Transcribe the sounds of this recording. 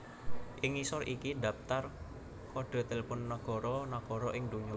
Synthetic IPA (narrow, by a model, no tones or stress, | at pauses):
ʔɪŋisɔɾʔikid̪ä̤pt̪ar | kɔɖ̥a̤t̪elepʊnːəɡ̥ɔ̤ɾɔnaɡ̥ɔ̤ɾɔʔɪŋd̪uɲu